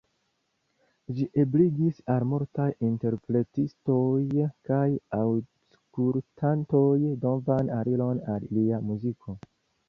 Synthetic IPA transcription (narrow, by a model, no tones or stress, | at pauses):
d͡ʒiʔebliɡisalmoɾtajinte̞ɾpɾe̞tisto̞jkajaw | skultʰanto̞jdo̞vanaɾilo̞nalliamuzikʰo̞